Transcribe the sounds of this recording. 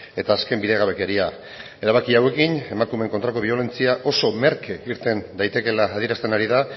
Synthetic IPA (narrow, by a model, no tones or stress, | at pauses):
e̞t̪aːske̞mbiðe̞ɣaβe̞ke̞ɾia | e̞ɾaβakiawe̞kine̞makume̞ŋkont̪ɾako̞βio̞le̞nt͡siaʔo̞so̞me̞ɾkeiɾt̪e̞nd̪ajt̪e̞ke̞laːðie̞ɾast̪enaɾiða